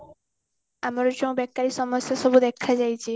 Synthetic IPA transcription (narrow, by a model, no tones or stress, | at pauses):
amaɾot͡ɕɔbɛkːaɾiʃɔmosaʃɔbud̪ɛkʰːad͡ʑajt͡ɕʰi